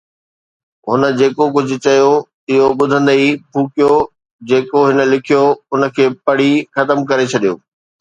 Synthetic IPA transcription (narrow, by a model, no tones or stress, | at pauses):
ɦʊnə̆d͡ʑeːkok̬ʊd͡ʑʱʊ̆t͡ɕɐjo | ɪɦoɓʊd̪ʱə̃nd̪əipʰuːkijo | d͡ʑeːkoɦɪnə̆lɪkʰijoʊnə̆kʰeːpɐɽ̤ixɐt̪əmkɐɾet͡ɕʰɐɗijo̰ː